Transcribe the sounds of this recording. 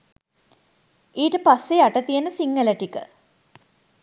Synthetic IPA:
iːʈəpasːeɐʈɐt̪ijenəsiŋːɐlɐʈikə̰

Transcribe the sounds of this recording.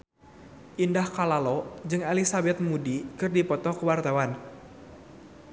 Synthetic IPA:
ʔindahkalalɔd͡ʒɨŋalisabɛt̪̚mudikɨrdipɔt̪ɔkəwart̪awan

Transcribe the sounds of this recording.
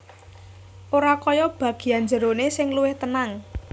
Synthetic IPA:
ʔoɾakɔjɔb̥a̤ɡ̥i̤and͡ʒə̤ɾonesɪŋluwɪht̪ənaŋ

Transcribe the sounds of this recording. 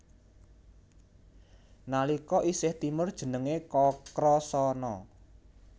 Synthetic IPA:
nalikɔʔisɪht̪imərd̥ʒ̥ə̤nəŋekɔkɾɔsɔnɔ̰

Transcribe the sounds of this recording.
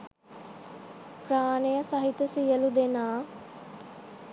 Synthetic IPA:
praːnəjəsɐɦit̪əsijəlud̪enaː

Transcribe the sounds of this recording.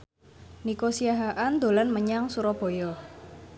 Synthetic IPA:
nikosiaɦaʔand̪o̤lanməɲaŋsuɾɔb̥o̤jɔ

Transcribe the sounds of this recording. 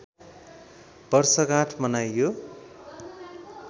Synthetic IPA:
b̥ʌrsʌkãʈʰmʌnajːo

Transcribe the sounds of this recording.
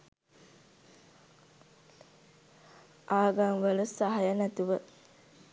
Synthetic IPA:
ʔaːɡaŋʋələsaɦajənæt̪uʋə

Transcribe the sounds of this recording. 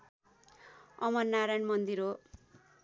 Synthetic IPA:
ʌmʌrnaɾajnmʌnd̪iɾo

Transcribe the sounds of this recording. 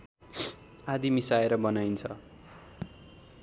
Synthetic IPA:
ad̪imisaeɾʌbʌnajnt͡sʰʌ

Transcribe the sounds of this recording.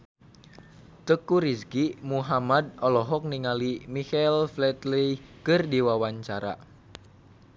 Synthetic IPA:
t̪əkuɾiskimuɦamad̚ɔlɔɦɔk̚niŋalimikɛlflɛt̪lijkɨrdiwawaɲt͡ʃaɾa̰

